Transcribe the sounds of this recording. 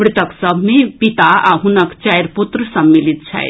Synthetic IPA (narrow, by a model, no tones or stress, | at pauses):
ɽit̪əksəbʱmẽpit̪aaɦunəkt͡ʃajɾput̪ɾəsəmːilit̪̚t͡ʃʰɛ̰j